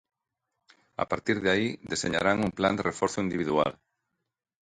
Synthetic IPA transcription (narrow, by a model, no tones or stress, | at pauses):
a̰paɾt̪iɾðaid̪eseɲa̰ɾaŋuŋpland̪erʔefɔɾθʊind̪iβiðua̰l